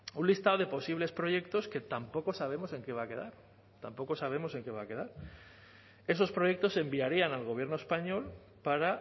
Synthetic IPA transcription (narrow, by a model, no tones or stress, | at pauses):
unlist̪aoð̞e̞po̞siβ̞le̞spɾo̞ʝe̞kt̪o̞ske̞t̪ampo̞ko̞saβe̞mo̞se̞ŋke̞β̞ake̞ðaɾ | t̪ampo̞ko̞saβ̞e̞mo̞se̞ŋke̞βaːke̞ðaɾ | e̞so̞spɾo̞je̞k̚t̪o̞se̞mbiaɾianalɣ̞o̞β̞je̞ɾnoespaɲo̞l | paɾa